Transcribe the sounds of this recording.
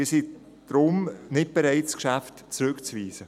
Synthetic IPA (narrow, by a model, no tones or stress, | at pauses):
isi | d̥ɾʊmnɪt̚b̥eɾaɪtskʃaftt͡sɾʏkt͡sviːsə